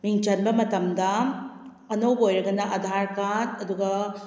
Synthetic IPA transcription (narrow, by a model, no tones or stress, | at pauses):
miŋt͡ʃɐnbɐmɐtɐmd̪ɐ | ɐnowbojɾɐɡɐnaʔɐd̪ʱaɾkatɐd̪uɡɐ